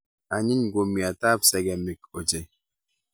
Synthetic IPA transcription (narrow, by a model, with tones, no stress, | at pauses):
a˨ɲi˦n˨ɡwo˨mi˨a˨ta˦psɛ˨ɡɛ˨mi˨ko˨d͡ʒe˨